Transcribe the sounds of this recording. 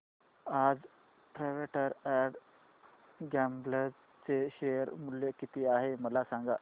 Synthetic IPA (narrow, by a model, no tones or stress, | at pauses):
ad͡z | pɾaʋeʈəɾæɽ | ɡɛmbləd͡z | t͡seɕejəɾmuljekit̪ʰiːaɦeməlasaŋɡa